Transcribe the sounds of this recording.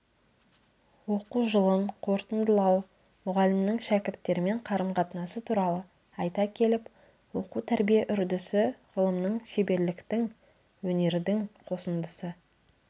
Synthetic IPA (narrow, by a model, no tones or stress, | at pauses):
woquʒəlˠəmqʰo̞ɾt̪ənd̪əlˠɑw | mʊʁɑlɪmnɪŋʃækʲɪɾt̪ːe̞ɾɪme̞ɴqʰɑɾəmqʰɑt̪ənɑsət̪ʰuɾɑlˠə | ɑjt̪ɑkʲʰe̞lɪp | wo̞quwt̪ʰæɾbijeʔʏɾd̪ɪsɪʁəlˠəmnəɴʃebe̞ɾlɪkt̪ɪŋ | wɵne̞ɾd̪ɪŋqʰo̞sənd̪əsə